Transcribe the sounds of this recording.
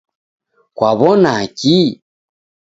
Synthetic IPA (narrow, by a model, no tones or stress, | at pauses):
kwaβɔnaki